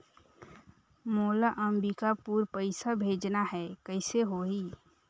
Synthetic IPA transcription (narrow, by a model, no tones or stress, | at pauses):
moːlaʔəmbikapuːɾpəɪsabʱeːd͡ʒnaɦɛkəɪseɦoɦiː